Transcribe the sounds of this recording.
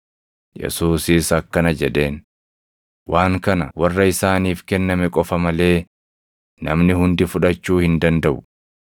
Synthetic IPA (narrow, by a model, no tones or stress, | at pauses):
jɛ̰suːsiːsɐkːɐnɐd͡ʒɛᶑe̞ːn | waːŋkɐnɐwɐrːɐɪsaːniːfkɛnːɐmɛkʼɔfɐmɐle̞ː | nɐ̰mnɪhʊnd̪ɪfʊᶑɐt͡ʃːuːhɪnd̪ɐnd̪ɐʔʊ